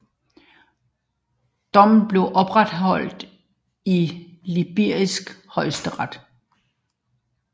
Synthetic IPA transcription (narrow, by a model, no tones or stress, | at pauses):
d̥ɒ̽mn̩b̥le̝ʊʔɒ̽b̥ʁad̥ɦɒ̽l̰d̥ | ilib̥eɐ̰isɡ̥hɒ̽ɪsd̥əʁad̥